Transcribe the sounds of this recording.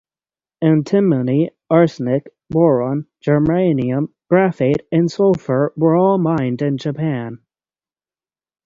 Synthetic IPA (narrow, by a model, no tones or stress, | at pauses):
ɨ̃ntʰɪ̃məni | ɑɹsnɪk | bɔɹɑ̃nd͡ʒə˞mẽɪniɨ̃mɡ̥ɹæfɨɾɨ̃nsoʊfə˞wə˞ɔlˠmãɪ̃ndɨ̃nd͡ʒɨpʰæ̃n